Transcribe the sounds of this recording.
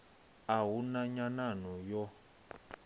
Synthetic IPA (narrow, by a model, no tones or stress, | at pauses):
aɦunaɲananɔjɔ